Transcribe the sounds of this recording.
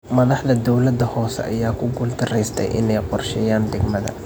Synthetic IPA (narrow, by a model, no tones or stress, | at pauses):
mɐðɑħðɐd̪ɔwlɐd̪ɐhɔːsɛ̰ʔɐ̰jaːkʰʊɡʊːld̪ɐrɛjst̪ʰɛ̰jʔɪ̰nɛjqɔrʃɛjaːnɖ̪ɛɡmɐðɐ̰